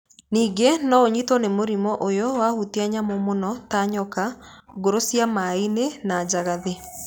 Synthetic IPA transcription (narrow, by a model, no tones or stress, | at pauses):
niːɡenɔoɲitɔnemoɾimɔʔojɔwahuteaɲamomonɔtaɲɔkaɡoɾosjamainenaːd͡ʒaɣaðe